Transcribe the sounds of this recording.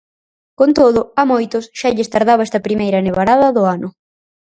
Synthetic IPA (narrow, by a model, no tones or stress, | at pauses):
kont̪oðʊamojt̪ʊsʃaʎɪst̪aɾð̞aβɛst̪ɐpɾimejɾɐneβaɾaðɐðʊanʊ